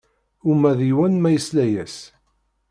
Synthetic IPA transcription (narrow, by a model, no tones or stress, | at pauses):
umæðiwænmæjəslæjæs